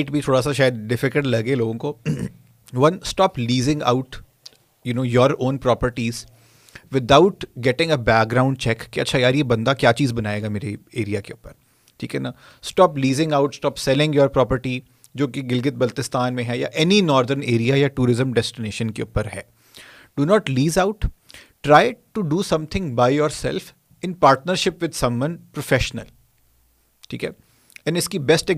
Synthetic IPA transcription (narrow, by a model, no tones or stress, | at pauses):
ɪʈbʱit̪ʰoːɽasaʃ̬aːjəd̪̚ɖɪfɪkəlʈlɐɡeloːɡõko | ʋɐ̃nsʈɔːpliːzɪ̃ŋɡa̰ʊʈ | junoːjɔːɾõːnpɾɔːpəɾʈiz | ʋɪd̪aʊʈɡɛʈɪ̃ŋɡebɛːk̚ɡɾãːʊ̃ɳɖt͡ʃɛkːeɐ̰tːʃʰajaːɾjebɐ̃nd̪akjaːt͡ʃiːzbɐnaːeːɡameːɾeeːɾijakeʊpəɾ | ʈʰḭːkɦɛnaː | sʈɔːpliːzɪ̃ŋaʊʈsʈɔːpsɛlɪ̃ŋɡjɔːɾpɾɔːpəɾʈi | d͡ʒoːkeɡɪlɡɪt̪̚bɐlt̪ɪst̪ʰaːnmẽɦɛja̰ʔɛninɔːɾd̪əɾneːɾijajaʈuːɾɪzə̃mɖɛsʈɪneːʃə̃nkḛʊ̰pəɾɦɛː | ɖ̥unɔːʈliːzaʊʈ | ʈɾaːɪʈuɖuːsɐ̃mt̪ʰɪ̃ŋbaːɪjoːɾsɛ̰lf | ɪ̃npaːɾʈnəɾʃɪpʋɪd̪sɐ̃mwɐ̃npɾofɛːʃnə̰l | ʈʰḭːkɦɛː | ɛ̃nɪskibɛsʈɛ